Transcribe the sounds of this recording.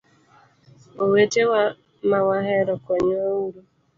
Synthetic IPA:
owetewa | mawaɦɛɾɔkɔɲɔuɾu

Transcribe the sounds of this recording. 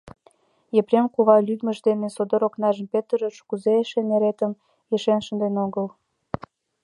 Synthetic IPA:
jeprʲenkuβɑlyd̪mə̆ʒd̪enesod̪oɾoknɑʒəmpet̪əɾəʃkuzeeʃeneɾet̪əm | jeʃenʃənd̪enoɣəl

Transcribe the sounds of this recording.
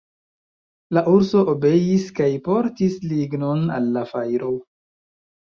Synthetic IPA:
laʔuɾso̞ʔobe̞jiskajpo̞ɾtisliɡno̞nalːafajɾo̞

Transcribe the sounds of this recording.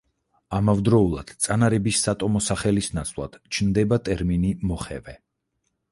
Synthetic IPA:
amavd̪ɾɔulˠa̰d̪̥t̪sʼanaɾɛbisːat̪ʼɔmɔsaχɛlisnat̪sʰvlˠa̰d̪̥t͡ʃʰnd̪ɛbat̪ʼɛɾminimɔχɛ̰vɛ

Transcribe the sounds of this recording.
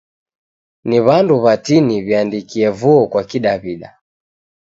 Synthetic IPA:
niβanduβatiniβiandikiɛvuɔkwakiɗaβiɗa̰

